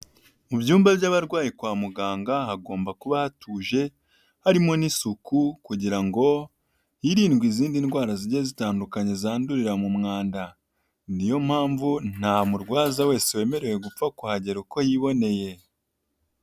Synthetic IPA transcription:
mubjuːmbabjaːβaɾɡwaːjikwaːmuɡaːŋɡaɦaɡo̞ːmbakuβahatʰuːʒe̞ | haɾimo̞nisukukuɟiɾaŋɡo̞ | jiɾiːnɡwiziːndinɡwaːɾaziɾjazitaːndukaɲe̞zaːnduɾiɾamumŋaːnda | nijo̞m̥haːɱvun̥hamuɾɡwaːzawe̞ːsewe̞ːme̞ɾe̞we̞ɡup͡fakuhaɟe̞ɾuko̞jiβo̞ne̞je̞

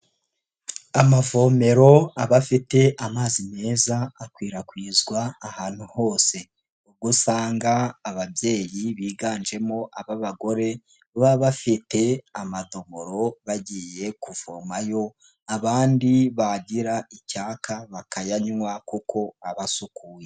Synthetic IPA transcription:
amavo̞ːme̞ɾo̞aβafite̞ʔamaːzime̞ːzaːkwiːɾakwiːzɡwaːhaːn̥huho̞ːse̞ | ub̚ɡusaːŋɡaːβabje̞ːjiβiːɡaːnd͡ʒe̞mo̞ʔaβaβaɡo̞ɾe̞ | βaβafite̞amado̞βoɾo̞βaɟije̞kuv̥o̰ːmajo̞ | aβaːndiβaɟiɾaicaːkaβakajaɲŋwakukʰo̞aβasukuːje̞

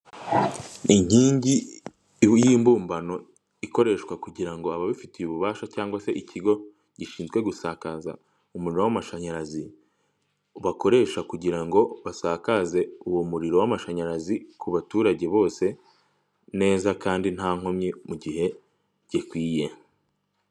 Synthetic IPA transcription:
iɲ̥iːɲɟi | jiːmbuːmbano̞ | iko̞ɾe̞ʃkwakuɟiɾaŋɡo̞aβaβifitijuβuβaːʃacaːŋɡwase̞ʔicʰiɡo̞ | ɟ̥iʃiːnzɡwe̞ɡusaːkaza̰ | umuɾiɾo̞wamaʃaɲaɾazi | βako̞ɾe̞ːʃakuɟiɾaŋɡo̞βasaːkaze̞uwomuɾiɾo̞wamaʃaɲaɾazikuβatuːɾaɟe̞βo̞ːse̞ | ne̞ːzakaːndin̥haːŋo̞mɲimuɟihe̞ | ɟ̥ikwiːje̞

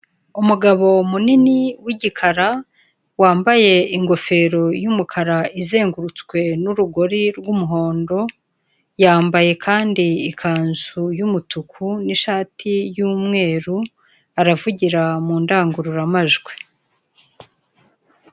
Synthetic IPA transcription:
umuɡaβo̞muniniwiɟikʰaɾa | waːmbaje̞iŋɡo̞fe̞ːɾo̞jumukʰaɾaize̞ːŋɡuɾut͡skwe̞nuɾuɡo̞ɾiɾɡumuɦo̞ːndo̞ | jaːmbaje̞kʰaːndiːkʰaːnzujumutukʰuniʃaːtʰijuːmŋe̞ːɾu | aɾavuɟiɾamuːndaːŋɡuɾuɾamaʒɡwe

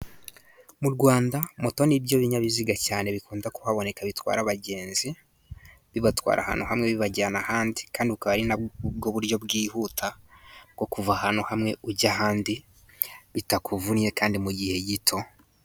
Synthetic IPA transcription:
muɾɡwaːndamo̞to̞nibjo̞βiɲaβiziɡacaːne̞βikuːndakuhaβo̞ne̞kaβitwa̰ːɾaβaɟe̞ːnzi | βiβatwa̰ːɾʔa̰ha̰nuhamŋe̞βiβaɟaanahaːndi̥kaːndiukaβaɾinaɡo̞βuɾjo̞bɡiːhuːtʰaɡ̥o̞kuvahanuhamŋe̞uɟaɦaːndi | βitakuvunje̞kaːndimuɟihe̞ɟitʰo̞

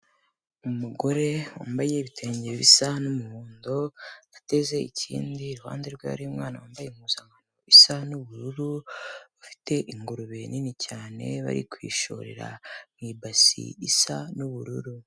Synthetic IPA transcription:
umuɡo̞ɾe̞wa̰ːmbaje̞βitʰe̞ːɲɟeβisanumuhuːndonate̞ze̞icḭːndiɾuha̰ːndeɾɡwa̰βa̰ɾiumŋaːnawaːmbajeŋuzaŋɡanoisanuβuɾuɾuβafi̥te̞ʔiŋɡuɾuβe̞ninicaːne̞̰βa̰ɾḭkwḭːʃoɾe̞̰ɾa̰mŋiːbasḭisanuβuɾṵɾu

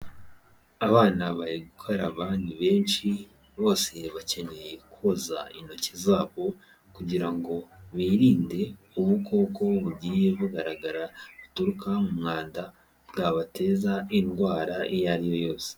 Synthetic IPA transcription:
aβaːnaβaɾiɡukʰo̞ɾaβaːndiβe̞ːnʃi | βo̞ːse̞βace̞ne̞je̞kuoza̰ino̞cezaːβo̞ | kuɟiɾaŋɡo̞βiːɾiːnde̞ | uβuko̞ːko̞βuɟiːje̞βuɡaɾaɡaɾaβutuɾukʰamumŋaːnda | bɡaβatʰe̞ːzainɡwaːɾaijaɾijo̞jo̞ːse̥

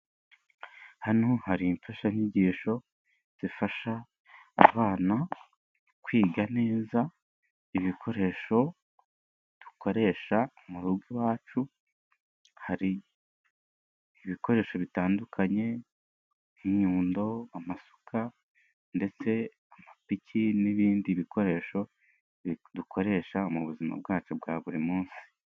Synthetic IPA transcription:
hanohaɾiːɱfaʃaiɲiɟiːʃo̞ | z̥ifaʃa̰ː | βaːna | kwiːɡane̞ːza | iβikʰo̞ɾe̞ːʃo̞ | d̥u̥kʰo̞ɾe̞ːʃaumuɾuɡwiwaːt͡ʃu | haɾi | βiko̞ɾe̞ːʃo̞βitaːndukʰaɲe̞ | iɲuːndo̞amaso̥kʰa | nde̞t͡se̞ | amapicʰiniβiːndiːβikʰo̞ɾe̞ːʃo̞ | dukʰo̞ɾe̞ːʃaomuβuzima̰bɡaːt͡ʃubɡaβuɾimuːnsi̥

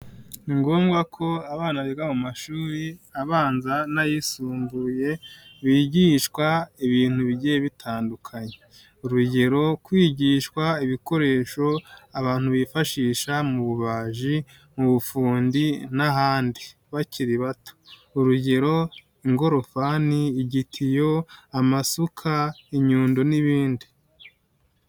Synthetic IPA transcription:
niŋɡo̞ːmɡwakʰo̞aβaːnaβiɡaβumaʃuːɾiaβaːnzanajisuːmbuje̞βiːɟiːʃkwaiβiːn̥huβiɟijeβitʰaːndukʰaɲe | uɾuɟe̞ɾo̞kwiːɟiːʃkwaiβiko̞ɾe̞ːʃo̞aβaːn̥huβifaʃiːʃamuβuβaːʒi | muβufuːndinaɦaːndi | βaciɾiβato̥uɾuɟe̞ɾo̞ | iŋɡo̞ɾo̞faniːɟitʰijo̞amasukʰaiɲuːndo̞niβiːndi

